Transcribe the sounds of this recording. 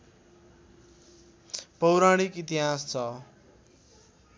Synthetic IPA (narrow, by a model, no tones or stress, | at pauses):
pʌwɾaɽ̃ikit̪iɦast͡sʰʌ